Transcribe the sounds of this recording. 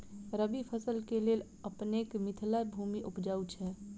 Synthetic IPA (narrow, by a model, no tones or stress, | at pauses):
ɾəbipʰəsəlkelel | əpnekmit̪ʰlabʱumiʔupd͡ʒaut͡ʃʰɛ